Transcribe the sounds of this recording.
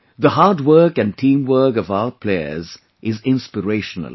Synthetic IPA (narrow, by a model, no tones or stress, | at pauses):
ðəhaːdwəːkɨ̃n̚ʈʰĩːmwɜːkɔvaʊəpʰleɪə̰z | ʔɪzɪ̃nspəɾeʃənə̰l